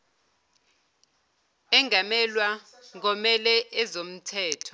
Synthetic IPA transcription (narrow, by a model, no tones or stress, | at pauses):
ɛŋamɛlwa | ŋɡ̬ɔmɛlɛɛzom̩tʰɛːtʰɔ̥